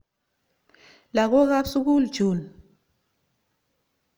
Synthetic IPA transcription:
la˨kɔ˦k̬a˦su˦k̬u˦ld̥d͡ʒ̥ʱu˨n

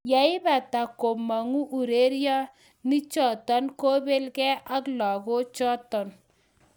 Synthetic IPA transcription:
ja˨˦ɪ˦ba˨ta˨ko˨ma˨ŋu˦ʔu˨ɾe˦ɾjɔ˦ | ni˦t͡ʃɔ˦˨tɔ˦nko˦be˦lkɛ˦ʔa˦klɔ˨ko˦t͡ʃɔ˦tɔ˨n

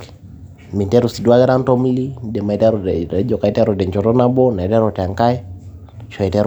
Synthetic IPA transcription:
mi˨ntɛ˦ɾu˨si˨du˦a˦ɡɛ˦ɾa˦ntɔ˦mli˦dɛ˨ma˨ɛ˨ta˦ɾɔɛ˦d͡ʒɔ˨ka˨ɛta˦ɾɔdɛ˨ɲt͡ʃɔ˨tɔ˦na˦bɔ˦na˨ɛ˨tɛ˦ɾɔ˨tɛ˨a˨ŋka˦ɛ˦ | ʃɔ˨ɛ˨tɛ˦ɾ

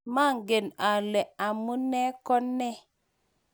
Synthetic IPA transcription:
ma˦ŋɡe˨na˨le˨a˨mu˦ne˦ko˦nːe˦

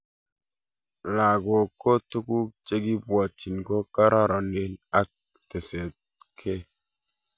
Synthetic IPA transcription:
la˨ɡo˨ko˦tu˦ku˦t͡ʃe˦ɡi˦bwa˨t͡ʃi˨nɡo˦ka˦ɾʔa˦ɾɔ˨ne˦na˦k̚ | te˨se˨t̚ | kʰe˦

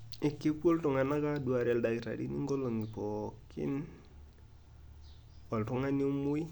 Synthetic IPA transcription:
ɪ˨kːi˦pwo˦ltɔ˨ŋa˨na˦ka˦du˨a˨ɾɛ˨lda˨ki˨ɾa̰˨dḭ˦nḭ˦ŋɡo˦lo˨ŋi˨pɔ˨kḭ˦n | wɔ˨ltɔ˦ŋa˦ni˦o˦mu˦i˦

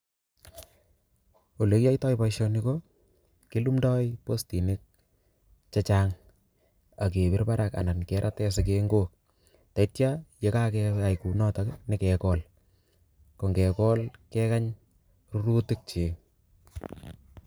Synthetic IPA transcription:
o˨le˨kja˦jtɔ˦jpajʃoniko | ki˦lumdɔ˦jposti˨ne˦k̚ | t͡ʃa˦t͡ʃaŋ | a˨k̬e˨bɪ˦rpaɾaka̰na˨nkɛ˦ɾʔatɛ˦s̬ɪk̬eŋɡok̚ | ta˨itjajekakɛa˨jku˨nɔtaknɪ˦kɛ˨kɔl | ko˨ŋɡɛ˨kɔ˦lkɛ˦kaɲ | ru˦ɾu˦tɪ˦k̚t͡ʃe˨

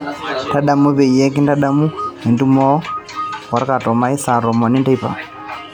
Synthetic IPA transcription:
ta˦ɗa˨mu˦βɛ˨i˨ɛ˦k̬i˦nda˦ɗa˦mu˦ɛ˨ndu˦mɔ˦kɔ˨ɾka˨tɔ˨ma˦i˦sa˨ɾɔ˨mɔ˨ni˦nda˦i˦pa̰˨

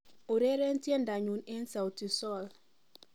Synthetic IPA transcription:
o˨ɾe˦ɾe˦n̩˦tje˦n̩˨da˨ɲu˨ne˦n̩˦sa˨o˨ti˨sɔ˦˨l

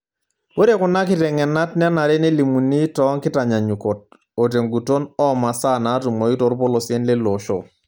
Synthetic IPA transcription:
wo˦ɾe˦kʊ˨na˦kɪ˦tɛ˨ŋɛ˨na˦tn˦na˨ɾe˦ne˦li˨mu˨ni˦tɔ˨˦ŋkɪ˦ta˨ɲa˨ɲu˨ko˨t̚ | o˨t̬e˨ŋɡu˨to˦nɔ˦ma˨sa˦˨na˨˦tu˨mo˨i˦to˨˦ɾpo˦lo˨si˨e˦nle˦lo˨ʃo̰˨

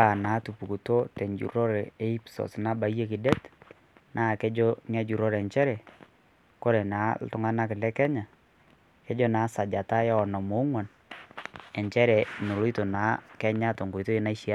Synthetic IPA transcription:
a˦˨na˨˦tu˨pu˨ku˨to˦tɛ˨ɲd͡ʒṵ˨ɾɔ˦ɾɛ˨e˦i˦psɔ̰˨sna˦ba˨˦je˦kɪ˨dɛ˦t | nʔaː˦˨kɛ˦d͡ʒo˦ŋɛ˦d͡ʒu˨ɾɔ˦ɾɛ˨ɲt͡ʃɛ˦ɾɛ˨ | ko˦ɾɛ˨na˨˦l̰tʊ˦ŋa˦na˦kɪ˨lɛ˦kɛ˦ɲa˨ | kɛ˦d͡ʒo˦naː˨˦sa˨d͡ʒa˨ta˦ja˦ɔ˨nɔ˨mo˦ŋwa˨n | ɛ˨ɲt͡ʃɛ˦ɾɛ˨no˨lo˦i˦to˨na˨˦kɛ˦ɲa˦to˨ŋɡo˨ito˦e˦na˦i˦ʃi˦a˦

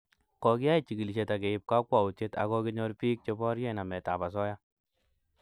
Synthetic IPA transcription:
kɔ˨ki˦ja˦i˦t͡ʃi˨ɡi˨li˨ʃe˨ta˨ke˨ɪ˦p̚ka˦kwa˨wu˨te˦ta̰˨kɔ˦ki˦ɲɔ˦lpi˦k̚t͡ʃe˦bɔ˦ɾjɛ˦na˨mɛ˨ta˨ba˨sɔ˦ja˦

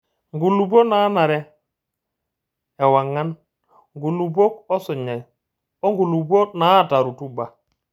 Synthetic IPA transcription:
ŋɡu˨lu˨bwo˦naː˦na˨ɾɛ˦ | ɛ˨wa˨ŋa˦n | ŋɡu˨lu˨bo˦k̚ɔ˦sʊ˨ɲa˨j | ɔ˦ŋɡu˨lu˨bwo˦na˨˦˨ta˨ɾu˨tu˦ba˨

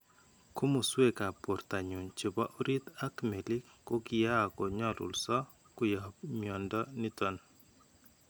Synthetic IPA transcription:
kʊ˦mu˨swe˦ka˨po˨rta˨ɲu˨nt͡ʃi˨ba˦ʔu˦ɾi˦t̪a˦kme˨lɪ˦kːo˦kɪja˦˨kɔ˨ɲɔ˦lṵ˨lsɔ˦ | kʊ˦ja˨mjɔ˨ndɔ˦ni˦tɔ˦n

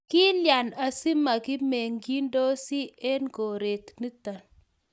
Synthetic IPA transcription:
kɪ˦lja˨na˨si˦ma˨kɪ˦me˨ŋɡi˦ndo˦si˦e˦nko˨ɾe˨tni˦ta˨n

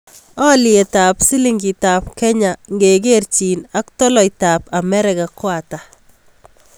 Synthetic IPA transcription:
ɔ˦lje˨ta˨psi˦liŋɡi˨tapkɛ˦ɲaŋɡeɡe˦rt͡ʃina˦k̚tɔ˦lɔ˨jta˨pa˨mɛ˦ɾɛka˨kwata

